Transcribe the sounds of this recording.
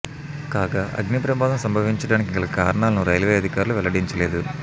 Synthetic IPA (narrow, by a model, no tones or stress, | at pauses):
kaːɡaːʔɐ̰ɡnipɾɐpaːd̪ɐmsɐmbʱɐʋiɲt͡ʃɐɽaːnik̬iŋkɐɭɐkaːɾɐɳaːlɐnuɾɐjlʋeːɐd̪ʱikaːɾuluʋɛlɐɽiɲt͡ʃɐleːd̪u